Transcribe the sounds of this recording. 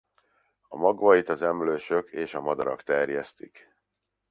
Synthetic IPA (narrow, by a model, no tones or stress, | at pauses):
ɒmɒɡvɒit̪ɒzɛmløːʃø̞kʰeːʃɒmɒd̪ɒɾɒkt̪ɛrjɛst̪ik